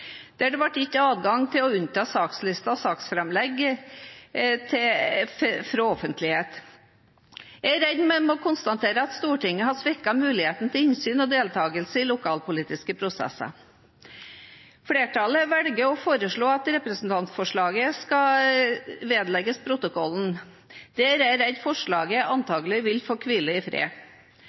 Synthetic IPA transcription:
d̪̥æɖɛʋɑʈːɪçːəɑːd̪ɡɑŋt̪ʰɪlɔʉnt̪ʰɑːsɑːkslɪst̪ɑɔsɑːksfɾɛmlɛɡ | t̪ʰɪ | fɾɑɔfənt̪lɪheːt̪ | jææɾɛd̪mɛmɔkʰʊnst̪ɑnt̪ʰeːɾəɑt̪st̪uːʈɪŋːəɦɑsʋɪkːɑmʉːlɪheːt̪n̩ət̪ʰɪlɪnsyːnɔd̪eːlt̪ʰɑːɡəlsəɪlʊkʰɑːlpʊliːt̪ɪskəpʰɾʊsɛ̰sɑ̰ | fɽeːʈɑləʋɛlɡəɔfoːɾəʂɭoːɑt̪ɾɛpɾəsn̩t̪ʰɑnt̪sfɔʂɭɑːɡəskɑ | ʋeːd̪lɛɡəspʰɾʊt̪ʊkʰɔlːn̩ | d̪̥ɛæɾæɾæd̪fɔʂɭɑːɡəɑnt̪ʰɑːɡəlɪʋɪlfoːkʰʋɪləɪfɾḛː

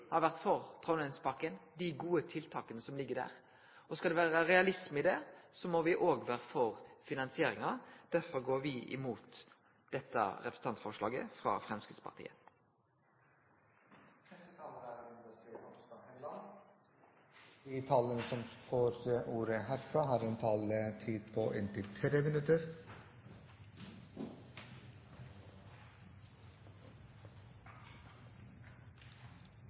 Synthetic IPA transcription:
hɑɾʋæʁt̪fɔʁt̪ʰʁɔʊnɛnspʰɑkːənd̪ɪɡuːət̪ʰɪlt̪ʰɑːkənəsɔmlɪɡːəd̪æ̰ːʁ | ɔskɑld̪ɛʋæːɾɑɾɛɑlɪsmɪd̪ɛːsɔmɔʋɪʔoːɡʋæːɾəfɔʁfɪnɑnsɪeːɾɪŋɑd̪̥æɾfɔɾɡoːɾʋɪɪ̰muːt̪ | d̪̥ɛt̪ːɑ̰ɾɛpɾəsəɑnt̪fɔʁʂlɑ̰ːɡə̰fʁɑ̰fɾɛmskəspʰɑ̰ʁt̪ḭːə | pʰɾɛst̪ət̪ʰɑːləɾəæɾmːd̪oːseːʔɔst̪ɑhɛnd̪ɑ | d̪it̪ʰɑːlənəsɔmfoːɾʔuːɾəhæːɾfɾɑːɦɑːɾeːnt̪ʰɑːlət̪ʰiːd̪̚pʰoʔɪnt̪ʰɪlt̪ʰɾeːmɪnʉt̪əɾ

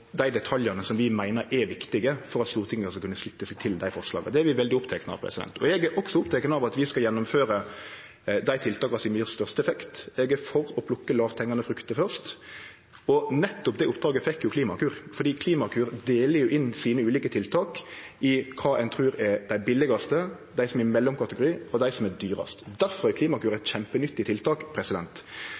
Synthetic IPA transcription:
d̪æɪd̪ɛt̪ʰɑljɑnəsɔmʋɪmæɪnəɾʔɛʋɪkt̪ɪɡəfɔɾɑt̪st̪uːʁt̪ʰɪŋːəsɑkʉnːəslɪt̪ːəsæɪt̪ʰɪld̪æɪfɔʁʂlɑ̰ːɡəd̪ɛæɾʋɪʋɛld̪ɪʊpt̪ʰɛknəɑ̰ʋpʰɾɛ̰sɪd̪ɛ̰nt̪ʰɔɛɡæɾʔɔksɔʊpt̪ʰɛkənəɑʋɑt̪ʋɪskɑljɛnːʊmføːɾə | d̪æɪt̪ʰɪlt̪ʰɑːkɑsɪnmyːʁst̪œʁst̪əɛfɛkt̪ɛɡæfɔɾɔpʰlʊkːəlɑːʋt̪ʰɛŋːɑnəfɾʉkt̪əfœʁʂt̪ | ɔnɛt̪ːɔpd̪ɛʊpːd̪ɾɑːɡəfɛkːjʊkʰliːmɑkʉːʁfɔɾd̪iːkʰliːmɑkʰʉːʁd̪eːləɾjʊʔɪnsiːnəʉːliːkət̪ʰɪlt̪ʰɑːkɪkʰɑːæɪnt̪ʰʁʉːɾɛɾd̪æɪbɪlɪɡɑst̪ə | d̪æɪsɔmɛmɛlːɔmkʰɑt̪əɡʊɾiːɔd̪æɪsɔmɛd̪yːɾɑ̰st̪d̪æɾfɔʁækʰliːmɑkʰʉːɾəɛt̪çɛmpənʏt̪ːɪt̪ɪlt̪ʰɑːkpʰɾɛsɪd̪ɛnt̪

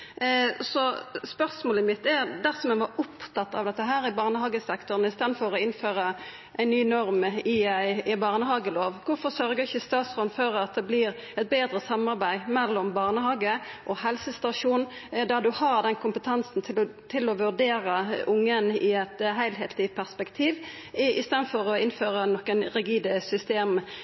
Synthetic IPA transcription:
sɔspœʁsmoːləmɪt̪̚ːæɾd̪æsɔmæʋɑɾʊpt̪ʰɑt̪ːɑ̰ʋd̪ɛt̪ːəɦæːɾɪbɑːʁnəɦhɑːɡəsɛkt̪ɔʁn̩ɪst̪eːd̪nfɔɾɔɪnføːʁə | ʔæɪnyːnɔɾmɪæɪbɑːʁnəɦɑːɡəloːʋkʊɾfɔɾsœɾɡəɾɪçəst̪ɑːt̪sʁɔːnføɾɑt̪̚d̪ɛblɪːɾ | ɛt̪̚beːd̪ɾəsɑmːɑɾbæɪmɛlːɔmbɑːʁnəhɑːɡəʔɔhɛlsəst̪ɑʂuːnn̩d̪ɑd̪ʉhɑːʁd̪ɛnkʰʊmpət̪ʰɑnsn̩t̪ʰɪlt̪ʰɪlɔʋʉɾd̪eːɾəʊŋːənɪɛt̪ɦæɪlɦeːt̪ʰlɪpʰæʁspɛkt̪ʰiːʋ | ɪst̪eːd̪fɔʁɔɪnføːʁənɔkːənʁɪɡiːd̪əsʏst̪eːm

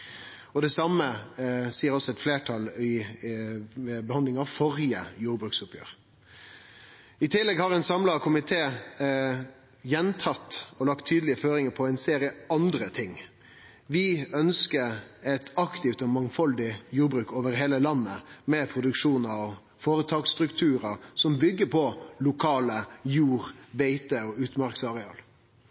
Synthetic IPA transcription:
ɔd̪ɛsɑməsiːəɾɔsɔɛt̪fleːʈʰɑlɪ | bɛhɑnd̪lɪŋɑʋfɔɾjəjuːɾbɾʉːksʊpjø̰ːɾ | ɪt̪ʰɪlːɛɡhɑɾɛɪnsɑmlɑkʰʊmɪt̪ʰeː | jɛnt̪ʰɑt̪ːɔlɑkt̪ʰːyːd̪lɪəføːɾɪŋəpʰɔæɪnseːɾjəʔɑnd̪ɾət̪ʰɪŋ | ʋɪœnskəɾɛt̪ɑkt̪ɪft̪ɔmɑŋfɔld̪ɪjuːɾbɾʉːkoːʋəɾheːləlɑnːəmɛpʰɾʊd̪ʉkʂuːnəɾɔ | foːɾət̪ʰɑːkst̪ɾʉkt̪ʰʉːɾəsɔmbʏɡːəpʰɔlʊkʰɑːləjuːɾʋeɪt̪əɔʉːt̪mɑʁksɑʁɛɑ̰ːl

